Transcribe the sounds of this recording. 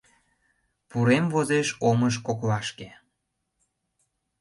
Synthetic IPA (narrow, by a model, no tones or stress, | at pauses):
puɾemvozeʃoməʃ̬koklɑʃke